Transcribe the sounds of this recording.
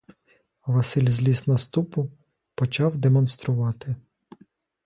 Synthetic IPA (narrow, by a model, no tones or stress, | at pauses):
ʋɐsɪlʲzʲlʲisnɐst̪upʊ | pɔt͡ʃɑwd̪emɔnst̪ɾʊʋɑt̪ɪ